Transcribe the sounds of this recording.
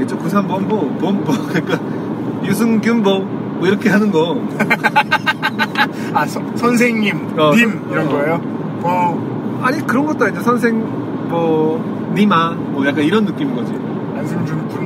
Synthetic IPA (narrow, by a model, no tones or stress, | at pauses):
et͡ɕ͈okus̬ʰeɦambʌnbʌbʌnbʌkɲik͈a | jus̬ʰɯŋɡjumbʌ | mʌiɾʌkʰe̞ɦanɯnɡʌ | asʰʌsʰʌns̬ʰeŋɲim | ʌim | iɾʌnɡʌejo | mʌ | aɲikɯɾʌnɡʌt͈aind͡ʑesʰʌns̬ʰeŋ | mʌ | nima | mʌjak͈aniɾʌnːɯk͈imŋɡʌd͡ʑi | ansʰɯmd͡ʑomkun